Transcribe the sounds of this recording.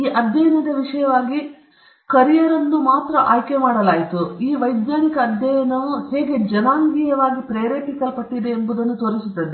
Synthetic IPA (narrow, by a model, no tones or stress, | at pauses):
iːʔɐd̪ʱjɐjɐnɐd̪ɐʋiʂɐjɐʋaːɡi | kɐɾijɐɾɐnd̪umaːt̪ɾɐʔaːjkemaːɽɐlaːjit̪uiːʋɐjd̪jaːnikɐːd̪ʱjɐjɐnɐʋuheːɡe̞d͡ʒɐnaːŋɡiːjɐʋaːɡipɾeːɾeːpikɐlpɐʈːid̪eːmbud̪ɐnːut̪oːɾisut̪ːɐd̪e